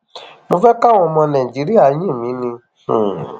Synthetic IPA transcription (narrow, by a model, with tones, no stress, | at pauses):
mo˧fɛ˦ka˦w̃ɔ̃˧mɔ̃˧nã˨ĩ˨d͡ʒi˨˦ɾi˦a˦˨˦jĩ˦˨mĩ˨˦nĩ˧˨